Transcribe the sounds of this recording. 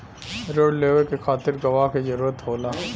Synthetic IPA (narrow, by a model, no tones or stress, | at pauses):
ɾoːɖleːʋəɾkekʰaːt̪ɪɾɡɐʋaɦkezɐɾuːɾət̪ɦoːlaː